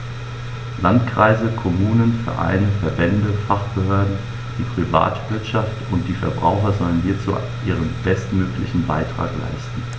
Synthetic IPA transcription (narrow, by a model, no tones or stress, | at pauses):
lantkʁ̥aɪzəkʰɔmuːnənfɛ̰ɐʔa̰ɪnəfɛɐbɛndəfaχb̥əhøːɐdn̩ | d̥iːpʁ̥iva̰ːtv̥ɪɐtʃaftʊnt̚d̥iːfɛɐbʁa̰ʊxɐzɔlənhiːɐt͡sṵː | ʔiːʁ̞ənb̥ɛstmøːklɪçn̩ba̰ɪtʁ̥a̰ːkla̰ɪstn̩